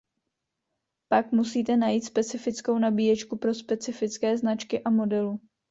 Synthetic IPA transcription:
pakmusiːt̪ɛnajiːt̪spɛt͡sɪfɪt͡sko̞wnabiːjɛt͡ʃkupɾo̞spɛt͡sɪfɪt͡skɛːznat͡ʃkɪʔamo̞dɛlu

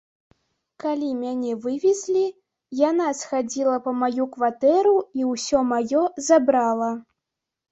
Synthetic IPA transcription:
kalʲimʲanʲɛvɨvʲɛzʲlʲi | janasxad͡zʲilˠɐpɐmajukvat̪ɛɾuiwsʲɔmajɔzabɾalˠɐ

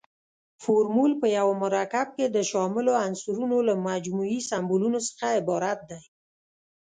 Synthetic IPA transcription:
foɾmulpəjawamʊɾakab̚ked̪əʃɑmɪloansuɾunolamad͡ʒmuisambulunosə̥xaɪbɑɾat̪̚d̪aj

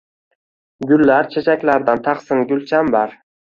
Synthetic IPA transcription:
ɡʲʊlːaɾt͡ʃʰet͡ʃʰakʲlaɾd̪ant̪ʰɑχsɪnɡʲʊlt͡ʃʰambɑɾ

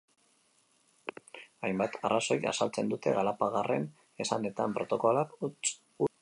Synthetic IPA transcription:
ajmbat̪arʔaso̞ja̰salt͡se̞nd̪ut̪e̞̰ɣalapaɣare̞n | e̞sane̞t̪ampɾot̪o̞ko̞lak | u

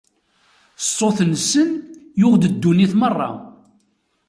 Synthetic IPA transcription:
sˤoθnsənjʊʁd̪əd̪ːuniθmərˤːɑ̰

